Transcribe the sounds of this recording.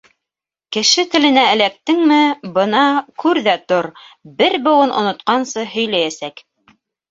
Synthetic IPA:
kɘ̆ʃɘt̪ɘ̆lɘ̆næɘ̆læk̚t̪ɘŋmɘbɤnɑkʉɾðæt̪oɾbɘɾbɤ̆w̪ˠɤnʔŏ̰nŏt̪qɑnsɤɦɵ̆jlæjæsæk

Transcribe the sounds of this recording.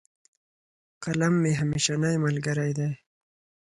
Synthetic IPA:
qalamːeɦameʃanajmalɡaɾajd̪aj

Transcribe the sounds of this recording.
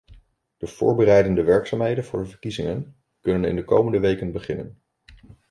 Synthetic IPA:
d̥əv̥ʊ̰ːɹbərɛjdəndəʋɛɹksaːmɦejdənvʊːɹdəvəɹkizɪŋən | kɵnənɪ̰ndəko̰wməndəʋejkənbəχɪnə̰n

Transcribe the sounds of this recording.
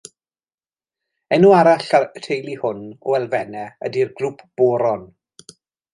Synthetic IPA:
ɛnuaɾaɬatʰejlˠihʊnɔɛlˠvɛnɛə̰dirɡrupʰb̥oːɾɔn

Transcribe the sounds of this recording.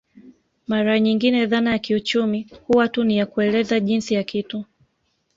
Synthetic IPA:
maɾaɲiŋɡinɛðanajakiut͡ʃumihuwatunijakuɛlɛzaʄinsijakitu

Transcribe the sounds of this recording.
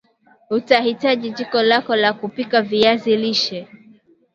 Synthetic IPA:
utahitaʄiʄikɔlakɔlakupikaviaziliʃɛ

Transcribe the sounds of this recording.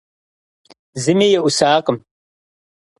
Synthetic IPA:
zɨmiːjɛʔʊsaːqʼəm

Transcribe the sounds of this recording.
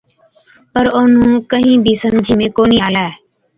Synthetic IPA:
pəɾoːnũːkəɦĩːbʱiːsəmd͡ʒʱiːmẽːkoːniːaːlaːɛː

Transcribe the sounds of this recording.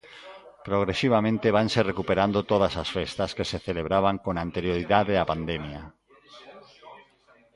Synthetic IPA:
pɾoɣ̞ɾesiβ̞amẽnt̪eβ̞anserekupeɾand̪ot̪oðasasfest̪askeseθeleβ̞ɾaβ̞aŋkõŋant̪eɾjoɾiðaðeapand̪emja

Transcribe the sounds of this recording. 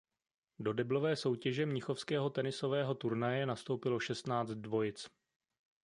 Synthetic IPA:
do̞dɛblo̞vɛːso̞wcɛʒɛmɲɪxo̞fskɛːɦo̞t̪ɛnɪso̞vɛːɦo̞t̪uɾnajɛnast̪o̞wpɪlo̞ʃɛst̪naːt͡st̪dvo̞jɪt͡s

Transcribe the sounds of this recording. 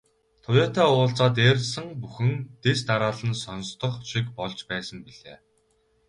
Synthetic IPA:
t̪ʰʊjaːt̪aːʊːɬt͡saːt̪̬eːɾ̆ɮsə̆ŋpuxɘ̆ŋt̪est̪aɾaːɮə̆nsɔnst̪ʰɞ̆χt͡ɕʰikpɔɮt͡ɕpæːsə̆mpiɮeː

